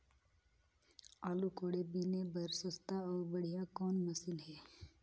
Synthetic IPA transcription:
aːlukoːɽebiːnebɐɾsəst̪aɔːɾbɐɽ̤ijakɔːnmɐsɪlɦɛː

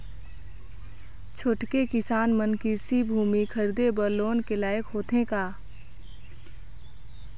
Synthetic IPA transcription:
t͡ʃʰoʈkekɪsaːnmənkɪɾsibʱuːmikʰəɾd̪ebəɾloːnkelaːjəkɦoːt̪ɦẽkaː

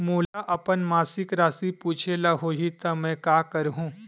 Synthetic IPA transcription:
muːlaʔɐpənmaːsɪkɾaːsipuːt͡ʃʰelaɦoːɦit̪ɐmɛ̃ːkaːkɐɾɦũː

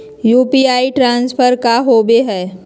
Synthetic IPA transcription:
juːpiaːiʈɾãːnspʰəɾkaɦoːbeɦɛː

